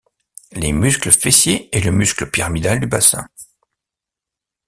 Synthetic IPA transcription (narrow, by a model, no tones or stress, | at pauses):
lemyskləfesjeeləmyskləpiʁamid̪ald̪ybasɛ̰̃